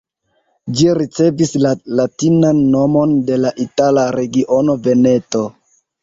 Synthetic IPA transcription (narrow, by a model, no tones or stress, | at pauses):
d͡ʒiɾit͡se̞vislalatinanːo̞mo̞nde̞laʔitalaɾe̞ɡiʔo̞no̞ve̞ne̞to̞